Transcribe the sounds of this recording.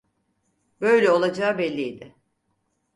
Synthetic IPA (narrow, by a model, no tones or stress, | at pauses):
b̥ø̞jlʲɛo̞lˠad͡ʒaːbɛlʲːijd̪ɪ